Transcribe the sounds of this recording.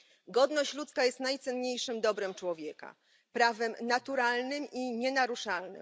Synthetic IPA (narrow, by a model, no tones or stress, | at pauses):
ɡɔd̪nɔɕt͡ɕlut̪skajɛst̪najt̪sɛnɲejʂɘmd̪ɔbɾɛmt͡ʂwɔvʲjɛka̰ | pɾavɛmnat̪uɾalnɘmiɲɛnaɾuʂalnɘ̰m